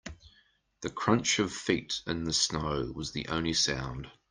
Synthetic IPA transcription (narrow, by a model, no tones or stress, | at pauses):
ðəkʰɹ̥ʌ̃nt͡ʃəv̥fiˑtɪ̃nðəsnəʊwɒzðḭʔə̃ʊ̃nlisã̰ʊ̃nd̥